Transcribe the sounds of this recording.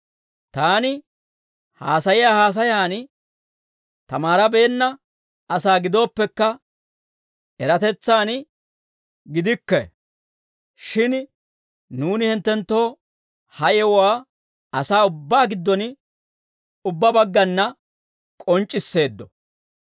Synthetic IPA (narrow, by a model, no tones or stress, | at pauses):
t̪aːnɪ | haːsɐjɪjaːhaːs̬ɐjaːn | t̪ɐmaːɾɐbe̞ːnːɐ | ɐsaːɡɪd̪o̞ːpːɛkːɐ | ɛɾɐt̪ɛt͡sːaːn | ɡɪd̪ɪkːɛ̰ | ʃɪn | nuːnɪhɪnt̪ːɛnt̪ːo̞ː | hɐjɛwaː | ɐsaːʊbːaːɡɪd̪ːɔn | ʊbːɐbɐɡːɐnːɐ | kʼɔnt͡ʃʼːɪsːe̞ːd̪ːɔ